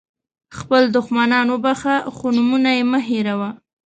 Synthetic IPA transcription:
xpəld̪ʊxmanɑnobaxaxonumunajeməɦeɾawa

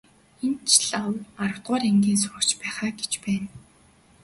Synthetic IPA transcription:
ent͡ɕʰɮawarəw̥t̪̚ɢʊːɾeŋɡʲiːnsʊːkt͡ɕpæːχaːɡet͡ɕpæːn

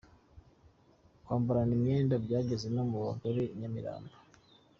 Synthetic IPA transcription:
kwaːmbuɾanimɲeːndabɟaːɟezenomuβa̰ɡuɾeɲamiɾa̰ːmbo̥

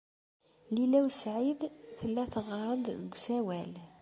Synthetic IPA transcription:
lilæwsʕid̪θəlːæθəʁɑɾˤəd̪ðəɡʷsæwæl

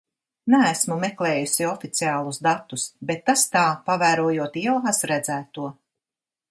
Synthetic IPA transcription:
næːsmumɛklˠɛːjusiɔfit̪siaːlˠusd̪at̪ːusbet̪ːast̪aːpavæːɾuɔjuɔt̪iɛlˠasɾæd̪zæːt̪uɔ

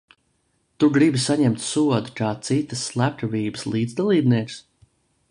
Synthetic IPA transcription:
t̪uɡɾibisaɲɛmt̪suɔd̪ukaːt̪sit̪əsːlˠæp̚t̪ɔviːbəslˠiːd̪zd̪alˠiːbniɛks

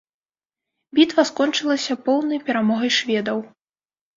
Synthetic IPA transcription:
bʲit̪vɐskɔnt͡ʂɨlˠɐsʲɐpɔwnɐjpʲɛɾamɔɣɐjʂvʲɛd̪ɐw

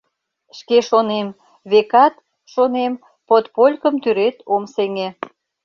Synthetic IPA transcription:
ʃkeʃonem | βekɑt̪ | ʃonem | pot̪polʲkəmt̪yɾet̪omseŋe

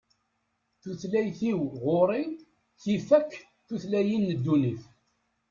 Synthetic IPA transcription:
θuθlæjθiwʁoɾˤi | θifækː | θuθlæjinːəd̪ːunif

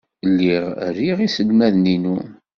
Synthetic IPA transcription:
lːiʁæɾiʁisəlmæðninu

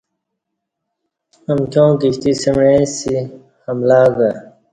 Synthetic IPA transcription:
ɐmkjõːkiɕt̪isimɻẽsi | hɐmlaːɡɐ

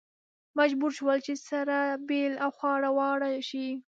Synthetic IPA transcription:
mad͡ʒbuɾʃwəlt͡ʃesaɾabelawxwɑɽawɑɽaʃi

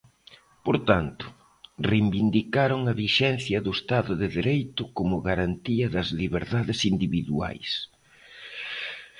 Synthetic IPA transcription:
poɾt̪ant̪ʊ̥ | rejmbind̪ikaɾʊŋɐβiʃɛnθjɐðʊest̪aðʊðɪðiɾejt̪ʊkomʊɣaɾant̪iɐðɐzliβeɾðaðɪsind̪iβiðua̰js

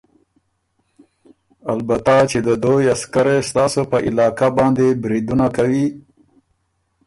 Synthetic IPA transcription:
albat̪at͡ʃed̪əd̪ojaskaɾest̪ɑːsopəʔɪlɑːkabɑnd̪ebɾid̪unakawi

